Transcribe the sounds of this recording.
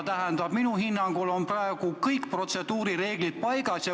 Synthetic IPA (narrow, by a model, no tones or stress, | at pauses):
t̪æɦɛnd̪ɑb̥minuhinːɑŋɡulo̞nprɑeɡ̥ukɤjkːpro̞t̪se̞d̪̥uːɾiɾe̞ːɡ̥lit̪̚pɑjɡɑsjɑ